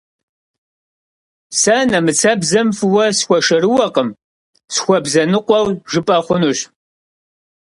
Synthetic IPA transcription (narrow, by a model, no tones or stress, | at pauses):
sɐnɐmɨt͡sʰɐbzɐmfɨwɐsxʷɔʃɐɾɨwɐqəm | sxʷɔbzɐnɨqʷɔwʒɨpʼɐχʷʊnuɕ